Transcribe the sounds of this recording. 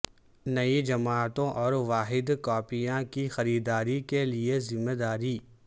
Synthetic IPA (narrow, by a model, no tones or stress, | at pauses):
nɐid͡ʒɐmaːt̪õʔɔːɾʋaːɦɪd̪kɔːpijãkixɐɾiːd̪aːɾikeliezɪmːed̪aːɾiː